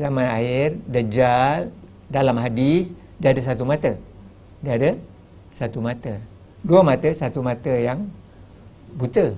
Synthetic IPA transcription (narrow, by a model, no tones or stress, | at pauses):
zamanaɪrdəd͡ʒal | dalamɦadɪs | dəadəs̬at̪umat̪ə | dəadə | sat̪umat̪ə | duamat̪əsat̪umat̪əjaŋ | but̪ə